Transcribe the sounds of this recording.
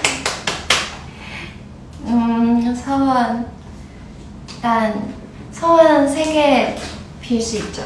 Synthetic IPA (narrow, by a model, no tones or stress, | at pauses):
ɯsʰʌwʌn | tan | sʰʌwʌnsʰeɡepiɭs͈uit̚t͡ɕ͈o